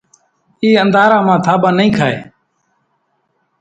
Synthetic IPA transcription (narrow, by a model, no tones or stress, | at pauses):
iːənd̪aːɾãːmãːt̪ʰaːɓãːnəĩːkʰaːḛː